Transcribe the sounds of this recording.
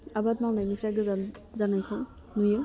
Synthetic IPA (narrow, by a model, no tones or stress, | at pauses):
abatmawnajnipʰɾaɡazanajkʰɔ | nujɔ